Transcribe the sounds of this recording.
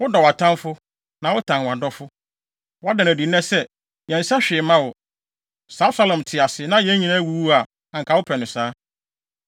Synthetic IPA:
wʊ˦dɔ˨wa˨tʰã˦mfʊ˦ | nã˨wʊ˦tʰã˨nwã˨dɔ˦fʊ˦ | wɔ˦a˦dã˨næ˨di˨n˦ɛ̃˦sɛ˦ | jɛ̃˨n̩˨˦sa˦ɕᶣɪ˨mã˦wʊ˨ | sa˨˦sa˦lɔ̃˨mtʰɪ˨a˨sɪ˨˦nã˦jɛ̃˦ɲĩ˨nã˦wu˦u˦a˨ | ã˨ŋ˨kʰa˨wʊ˦pʰɛ˨nɪ̃˨saː˦

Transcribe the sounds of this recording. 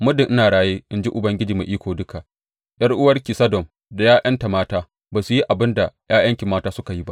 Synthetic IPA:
mʊ˦dɪ˨ŋʔɪ˦naː˨ɽaː˦jeː˦ʔɪ˦nd͡ʒi˦ʔʊ˨bɐ˦ŋɡʲɪ˦d͡ʒiː˨mḛ˨ʔiː˦kʷoː˨dʊ˦ka˨ʔ | j̰ɐ˦rʔʊ˦wɐ˦rkʲi˨sɐ˦dɔ˨m | da˨jaː˦jʔɐ˦nta˨maː˦taː˦ | baː˨su˨ji˦ʔa˨bɪ˦nda˨jaː˦j̰ɐ˦ŋkʲɪ˨mːaː˦taː˦sʊ˦ka˨ji˦ba˦ʔ

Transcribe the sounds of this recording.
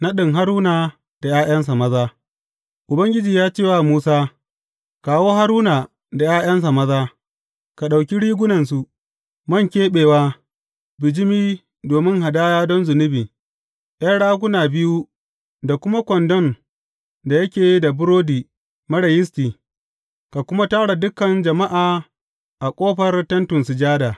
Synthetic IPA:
na˦ɗɪ˨ŋɦa˦ɾuː˦na˨ | d̥a˨jaː˦j̰ɐ˦ns̬a˨mɐ˦zaː˦ | ʔʊ˨bɐ˦ŋɡʲɪ˦d͡ʒiː˨jaː˦t͡ʃeː˦wa˦˨muː˦saː˦ | kaː˨woː˦ɦa˦ɾuː˦na˨ | da˨jaː˦jɐ˦ns̬a˨mɐ˦zaː˦ | ka˨ɗa˨wkʲi˦ɽiː˦ɡʷʊ˦nɐ˨ns̬u˦ | mɐ˦˨ŋkʲeː˦ɓeː˨waː˦ | bɪ˨d͡ʒɪ˦miː˦ | doː˨mɪ˦ŋɦa˨daː˦jaː˦dɔ˦nzʊ˨nɪ˦biː˨ | ʔj̰ɐ˦nɽaː˦ɡʷʊ˦naː˨bɪ˦ju˦ | da˨kʷʊ˦ma˦kʷɔ˨ndɔ˦n | da˨jɐ˦kʲeː˨ji˦da˨bʊ˦ɾoː˦diː˨ | mɐ˦ɽɐ˨jɪ˦s̬tiː˨ | ka˨kʷʊ˦ma˦taː˦ɽa˨dʊ˦kɐ˨nd͡ʒɐ˨ma˦ʔaː˨ | ʔa˨kʷʼoː˦ɸɐ˨rtɐ˦ntʊ˨nsɪ˨d͡ʒaː˦daː˨

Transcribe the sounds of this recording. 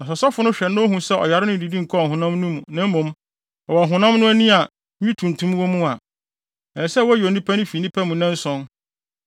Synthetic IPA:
nã˨sɔ˨sa˦fʊ˨nʊ̃˦ɕᶣɛ˨nʊ̃˦ɦũ˨sɛ˦ʔɔ̰˨ja˨ɾɪ˦nʊ̃˦˨di˨dĩ˦ŋ̩˨kʰɔ˦ɔ˨hʊ̃˨nã˦mnũ˦mũ˨nã˦m˦mõ˨m | ɛ˨wɔ˨ɦʊ̃˨nã˦m˦nʊ̃˦æ˦nĩ˦a˨ | ɲĩ˦tʰũ˨n˨tʰũ˦m˦wɔ˦mũ˦a˨ | ɛ˨sɛ˦wɔ˦jo˨nĩ˦pʰɛ˦nʊ̃˦fi˨nĩ˦pʰæ˦mũ˨nɛ̃˦n̩˦sɔ̃˦n

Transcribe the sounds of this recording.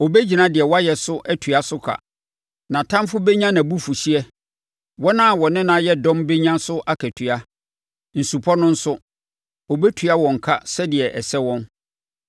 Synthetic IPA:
ɔ˨bɛ˦d͡ʑi˨nã˦dɪ˨ɛ˨wɔ˦a˦jɛ˨sʊ˦ʔɛ˦tʰɥa˦sʊ˦kʰa̰˨ | nã˨tʰã˦mfʊ˦be˦ɲã˦nã˨bu˦fu˨ɕi˦ɛ˦ | wɔ˦nã˦˨wɔ˨nɪ̃˦nã˦jɛ˦dɔ̃˦mbe˦ɲã˦sʊ˦ʔa˦kʰæ˨tʰɥa˦ | n̩˨su˨pʰɔ˦nʊ̃˦n̩˦sʊ˦ | ɔ˨bɛ˦tʰɥa˦wɔ̃˨ŋ̩˨kʰa˦sɛ˦dɪ˨ɛ˨ʔɛ˨sɛ˦wɔ̃˦n

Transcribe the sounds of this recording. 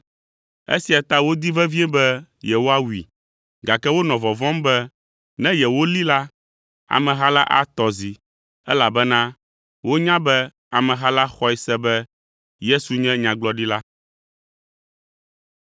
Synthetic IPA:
ḛ˦si˨a˨t̪a˦wo˦d̪i˦vɛ˦vi˦e˦bɛ˦jɛ˨wo˦a˦wḭ˨ | ɡa˨kɛ˦wo˦nɔ̃˨vɔ˨vɔ̃˦mbɛ˦ | nɛ̃˦jɛ˨wo˦li˦la˦ | a̰˨mɛ̃˨ɦa˦la˦ʔa̰˦t̪ɔ˨zi˨ | ɛ˦la˨bɛ˦nã˦ | wo˦ɲã˦bɛ˦ | a˨mɛ̃˨ɦa˦la˦xɔ˦ɛ˦sɛ˦bɛ˦ | je˦su˨ɲɛ̃˦ɲã˨ɡ͡blɔ˦ɖi˦la˦

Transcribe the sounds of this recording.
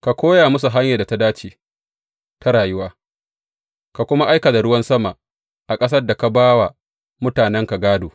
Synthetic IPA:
ka˨kʷoː˦ja˨mʊ˦s̬u˨ɦa˦ɲja˨da˨ta˦daː˦t͡ʃiː˨ | ta˦ɽaː˨jʊ˦waː˦ | ka˨kʷʊ˦ma˦ʔa˦jka˨da˨ɽʊ˦wɐ˦nsɐ˦ma˨ | ʔa˨kʼɐ˦s̬ɐ˦rda˨ka˨baː˦wa˨ | mʊ˦taː˨nɛ˦ŋka˨ɡaː˦doː˨

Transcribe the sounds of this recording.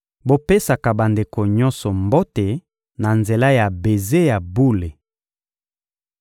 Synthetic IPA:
bo˦pe˦sa˨ka˨ba˨nde˨ko˨ɲɔ̃˦nsɔ˨mbo˦te˨ | na˨nze˨la˦ja˨be˨ze˦ja˨bu˦le˨

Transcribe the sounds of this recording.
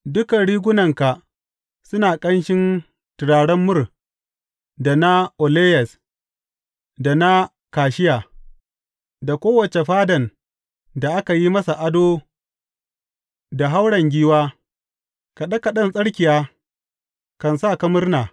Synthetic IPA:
dʊ˦kɐ˨ɽiː˦ɡʷʊ˦nɐ˨ŋka˨ʔ | sʊ˦naː˨kʼɐ˦nʃɪ˦n | tɪ˨ɽaː˨ɽɐ˦mːʊ˦˨r | da˨na˦ʔo˨leː˦jɛ˨s | da˨na˦ | kaː˨ʃɪ˦jaː˨ | da˨kʷoː˦wɐ˨t͡ʃe˨ɸaː˦dɐ˨n | da˨ʔa˦ka˨ji˦mɐ˦sa˨ʔa˦doː˦ | da˨ɦa˦wɽɐ˨ŋɡʲiː˦waː˦ | ka˨ɗɐ˦ka˨ɗɐ˦˨nsʼɐ˦ɽkʲɪ˨jaː˦ | kɐ˨nsaː˦˨kɐ˦mʊ˦rnaː˨

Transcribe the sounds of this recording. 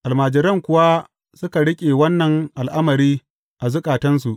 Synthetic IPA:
ʔa˨lmaː˨d͡ʒɪ˨ɾɐ˦˨ŋkʷʊ˦wa˦ | sʊ˦ka˨ɽɪ˦kʲʼeː˨wɐ˦nːɐ˨ŋʔa˨lʔa˦mɐ˨ɾiː˦ | ʔa˨zʊ˦kʼaː˨tɐ˦nsu˨ʔ

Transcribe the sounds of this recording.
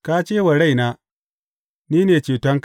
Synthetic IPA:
kaː˦t͡ʃeː˦wa˨ɽa˦˨jnaː˦ | niː˦neː˨t͡ʃeː˨tɐ˦ŋk

